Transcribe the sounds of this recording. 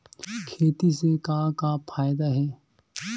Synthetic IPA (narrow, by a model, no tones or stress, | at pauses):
kʰeːt̪isekaːkapʰaːjd̪aɦɛː